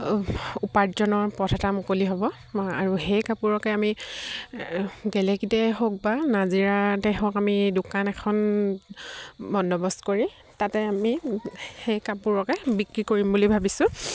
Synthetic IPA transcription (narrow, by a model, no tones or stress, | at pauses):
upaɹzɔnɔɹpɹɔtʰatamʊkoliɦobɔ | a̰ɹuhejkapuɹɔkɛami | ɡɛlɛkitɛɦok̚banaziɹatɛɦokamidʊkanɛkʰɔn | bɔnːɔbɔstkoɹi | tatɛamihejkapuɹɔkɛbikɹikoɹimbulibʱabisʊ̃